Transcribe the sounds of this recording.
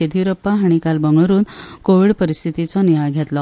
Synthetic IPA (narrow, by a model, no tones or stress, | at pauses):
ed̪ʱiɾəpːaɦaɽ̃ikalbəŋɡɭəɾuːnkoʋiːɽpəɾist̪ʰit̪it͡sɔniaɭɡʱjat̪lɔ